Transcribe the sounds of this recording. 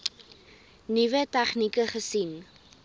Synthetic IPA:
nivətæχnikəχəsin

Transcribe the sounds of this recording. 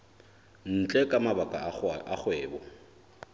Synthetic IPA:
n̩t͡ɬʼɛkʼamabakʼaaχwɛːbɔ

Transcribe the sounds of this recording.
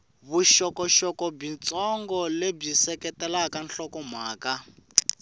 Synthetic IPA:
βuʃɔkɔʃɔkɔb͡ʐint͡sɔŋɡɔleb͡ʐisɛkɛtɛlakanɬɔkɔmwaːka

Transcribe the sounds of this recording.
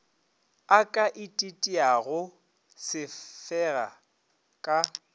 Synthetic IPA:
akʼaʔɪtʼitʼiaɣʊ | sɪfɛɣa̰ | kʼa

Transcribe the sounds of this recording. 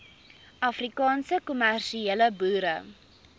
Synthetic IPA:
ɐfrikɑːnsəkumærʃieləbuːɾə

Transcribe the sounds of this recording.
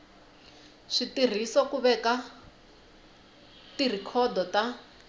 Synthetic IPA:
ʂitir̤isɔkuβɛka | tir̤ikʰɔd̪ɔta

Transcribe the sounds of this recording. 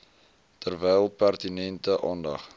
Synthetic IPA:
tərvɛjlˠpærtinɛntəʔɑːndɐ̰χ

